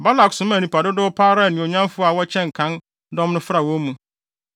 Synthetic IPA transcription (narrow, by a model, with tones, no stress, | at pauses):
ba˦la˨ksʊ̃˨˦m̃˦æ˨nĩ˨pa˨dʊ˦dʊ˦ʊ˦pʰaː˦ɾa˦˨nɪ̃˨o˨ɲã˦mfʊ˦a˨wɔ˦t͡ɕʰɛ̃˦ŋ̩˨kʰã˨˦n | dɔ̃˦mnʊ̃˦fɾa˨wɔ̃˦mũ˨